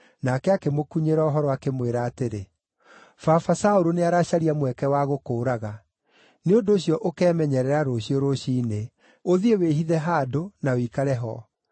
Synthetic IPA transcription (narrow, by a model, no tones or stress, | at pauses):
nakɛakemokuɲeɾaoɦɔɾɔakemweɾaːteɾe | fafasaoɾoneaɾaɕaɾiamwɛkɛwaɣokoːɾaɣa | neondoːɕiɔʔokɛːmɛɲɛɾɛɾaɾoɕioɾoɕine | oðieweɦiðɛɦaːdonawikaɾɛɦɔ̰